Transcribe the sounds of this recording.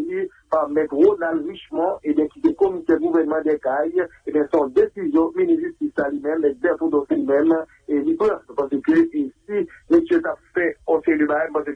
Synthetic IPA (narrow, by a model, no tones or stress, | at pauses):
i | pamɛt̪ʁonalʁiʃmɔ̃ʔebjɛ̃kisɛkomisɛd̪ɡuvɛʁnəmɑ̃d̪ɛkajebjɛ̃sɔ̃d̪esizjɔ̃minĩʒyst̪isalimɛ̃mɛk̚d̪ɛfod̪ɔslimɛ̃m | elipɛpaʁsəkøesimesjøt̪afɛɔ̃seləbaɛmpãs̬ə